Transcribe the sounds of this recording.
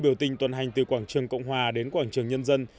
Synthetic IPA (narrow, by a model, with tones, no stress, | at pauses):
ɓi˧˩əwt̪ï˨˩ŋ̟t̪wə˨˩nɦa˨˩jŋ̟t̪ɨ˨˩kwaː˧˩ŋt͡ɕɨ˨˩əŋkə̰˧˨wŋ͡mɦwaː˨˩ɗe˨˦nkwaː˧˩ŋt͡ɕɨ˨˩əŋɲə˧nzə˧n